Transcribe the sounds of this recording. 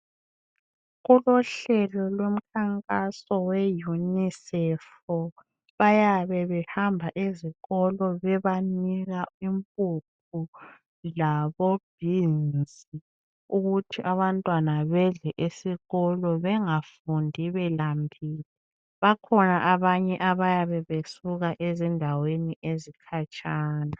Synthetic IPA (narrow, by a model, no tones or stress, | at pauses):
ɣulɔɬɛlɔlwom̩kʰaŋkʼasɔwɛjunisɛf | ɔ | βajaβɛβɛhambʱaʔiziɣɔlɔβɛβaniɣaimpʼup̚ʰu | laβob̥ʱinnd͡zi | uɣutʰiʔaβantʼwanaβɛɮɛʔisiɣɔlɔβɛŋafundʱiβɛlambʱiːli | βakʰɔnaʔaβaɲɛʔaβajaβɛβesuɣaʔezindʱaweniʔezikʰat͡ʃʼaːna